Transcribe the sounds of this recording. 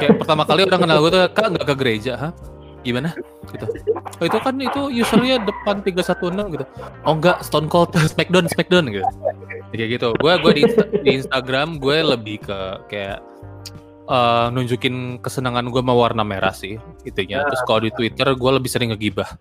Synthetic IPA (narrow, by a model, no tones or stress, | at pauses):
kajaʔpərt̪amakalioɾaŋkənalɡuɛt̪ukaŋɡaʔkəɡəɾed͡ʒaɦa | ɡimana | ɡ̥it̪uit̪ukanit̪ujusurlɲadəpant̪iɡasat̪unəlɡit̪uʔoŋɡaʔsə̥t̪ɔnkɔlt̪əsəmɛk̚dɔnsmɛk̚dɔnɡi | kaɡit̪uɡuaɡuadiadiːnst̪aɡɾamɡualəbɪhkəkaja̰ʔ | əːnuɲd͡ʒukɪnkəsənaŋanɡuamawarnameɾʔa̰sɪhit̪uɲat̪ɾʊskalodit̪wit̪ərɡualəbɪhsəɾɪŋəɡibah